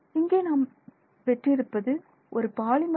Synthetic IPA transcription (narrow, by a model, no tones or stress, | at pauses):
ɪŋɡeːnaːm | ʋɛʈriɪɾɯpːɐðɯ | ʔɔɾɯpaːlɪmɐ